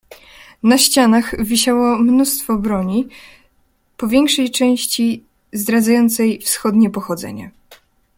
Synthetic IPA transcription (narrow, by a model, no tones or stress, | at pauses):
naɕt͡ɕanaxvʲiɕawɔmnust̪fɔbɾɔɲi | pɔvʲjɛŋkʂɛjt͡ʂɛ̃w̃ɕt͡ɕi | zd̪ɾad̪zajɔnt̪sɛjfsxɔd̪ɲɛpɔxɔd̪zɛ̰ɲa̰